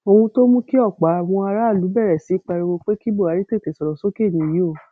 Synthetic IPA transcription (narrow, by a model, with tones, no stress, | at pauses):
o˧hũ˧to˦mũ˦ki˦ɔ˦˨k͡pa˨˦a˨w̃ɔ̃˧a˧ɾa˦˨lu˨˦bɛ˦˨ɾɛ˨si˨˦k͡pa˧ɾe˧wo˧k͡pe˦ki˦bo˦˨a˨˦ɾi˦te˦˨te˨sɔ˨ɾɔ˨so˦ke˦˨nĩ˨˦˨ji˨˦o˦˨